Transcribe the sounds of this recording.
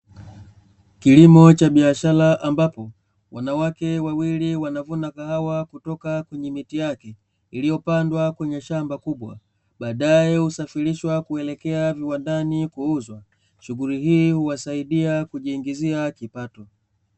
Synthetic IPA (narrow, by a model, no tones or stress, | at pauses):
kilimɔt͡ʃaɓiaʃalaʔambapɔ | wanawakɛwawiliwanavunakahawakutɔkakwɛɲɛmitijakɛ | ilijɔpandwakwɛɲɛʃambakuɓwa̰ | ɓaːɗajɛhusafiliʃwakuɛlɛkɛaviwandanikuuzwa | ʃuɡuliɦiːhuwasaiɗiakuʄiːŋɡiziakipatɔ